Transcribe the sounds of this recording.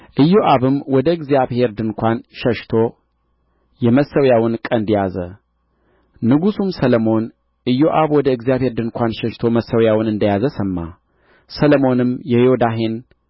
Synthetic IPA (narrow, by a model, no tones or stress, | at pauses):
ʔɨjːoʔaβɨmːwɔd̪əɨɡzijaβhe̞ɾd̪ɨŋkʷanʃəʃt̪ʰo̞ | jɛməsːəwjawɨnkʼənd̪jazə | nɨɡusumsələmo̞n | ʔɨjːoʔaβwɔd̪əɨɡzijaβhe̞ɾd̪ɨŋkʷanʃəʃt̪ʰo̞məsəwjawɨnɨnd̪əjazəsəmːa̰ | sələmo̞nɨmjɛhod̪aɦe̞n